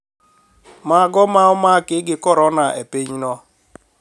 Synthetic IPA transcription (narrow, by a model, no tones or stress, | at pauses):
maɡɔmaʊmakɪɡɪkɔɾɔnaʔḛpeɲinɔ